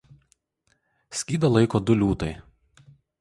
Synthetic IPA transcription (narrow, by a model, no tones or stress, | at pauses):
sʲkʲiːd̪ɐlˠɐɪkoːd̪ʊlʲuːt̪ɐɪ